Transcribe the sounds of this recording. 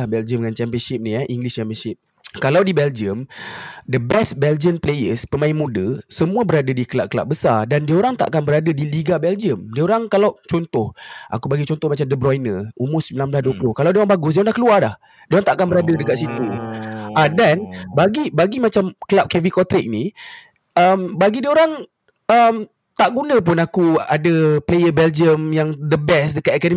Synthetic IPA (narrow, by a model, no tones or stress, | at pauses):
ahbɛld͡ʒəməŋant͡ʃɛmpiənʃɪp̚niaʔiŋɡlɪst͡ʃɛmpiənsɪp̚ | kalawdibɛld͡ʒəmdəbɛst̚bɛld͡ʒiəmplejəspəmãɪnmũdəsəmũabəɾadadikəlaʔ̚kəla̰ʔ̚bəsadandiaoɾaŋt̪a̰ʔakanbəɾadədiliɡabɛld͡ʒiəmdiaoɾaŋkalawt͡ʃɔnt̪ʊhʔa̰kubaɡit͡ʃɔnt̪ʊhmat͡ʃamdəbɾɔjnəumʊsəmbilanblahduəplohkalawdiəoɾaŋmbaɡʊsdiəonlahkəluarlah | diəoɾaŋt̪aʔakanbəɾadədəkat̪ʔsit̪uʔadanbaɡibaɡimat͡ʃamkəlap̚kɛvikɔt̪ɾɪk̚ni | ʔəmbaɡidioɾaŋ | əm | t̪aʔɡunə̃p̬ʊnakua̰dəplejəbɛld͡ʒiəmjaŋdəbɛsdəkat̪ekadə